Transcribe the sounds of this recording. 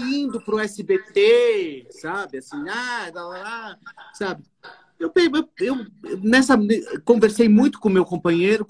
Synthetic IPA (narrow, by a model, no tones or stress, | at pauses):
ĩnd̪ʊpɾuɛsɪbet̪esabɨɐsĩad̪alasabɪ | ewpeewewwnɛsɐmnekõveɾsejmũj̃t̪ʊ̥kõmewkõpɐɲejɾʊ